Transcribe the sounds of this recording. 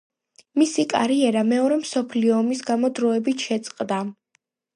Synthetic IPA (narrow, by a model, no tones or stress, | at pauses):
misikʼa̰ɾiɛɾamɛɔɾɛmsɔpʰliɔːmisɡamɔd̪ɾɔɛbit̪ʰʃɛt̪sʼqʼd̪a